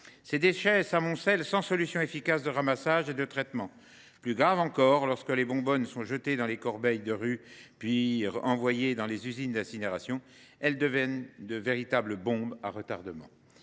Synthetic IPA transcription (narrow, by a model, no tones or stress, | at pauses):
sed̪eʃɛsamɔ̃sɛlsɑ̃sɔlysjɔ̃efikasd̪əʁamasaʒed̪ət̪χɛt̪mɑ̃ | plyɡʁavɑ̃kɔʁlɔʁskəlebɔ̃bɔnsɔ̃ʒət̪ed̪ɑ̃lekɔʁbɛjd̪əʁypɥiʁɑ̃vwajed̪ɑ̃lezyzind̪ɛ̃sineʁasjɔ̃ | ɛld̪əvjɛnd̪əveʁit̪abləbɔ̃ba̰ʁət̪aʁd̪əmɑ̰̃